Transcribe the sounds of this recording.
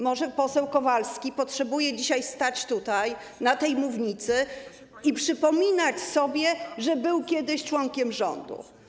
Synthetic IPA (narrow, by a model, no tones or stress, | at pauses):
mɔʐɛpɔsɛwkɔvalskʲipɔtʂɛbujɛd͡ʑiɕajst̪at͡ɕt̪ut̪aj | nat̪ɛjmuvɲit̪sɘ | ipʂɘpɔmʲinat͡ɕsɔbʲjɛʐɛbɘwkʲɛd̪ɘɕt͡ʂwɔŋkʲɛmʐɔ̰nd̪ṵ